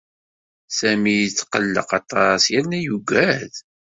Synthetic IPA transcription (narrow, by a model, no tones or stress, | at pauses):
sæmit͡sːqəlːə̰qɑt̪ˤɑsjænæjuɡʷæð